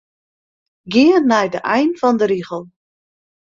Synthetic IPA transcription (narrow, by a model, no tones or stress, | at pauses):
ɡɪərnɛjdəʔɛjnfɔndəɾiɣəlˠ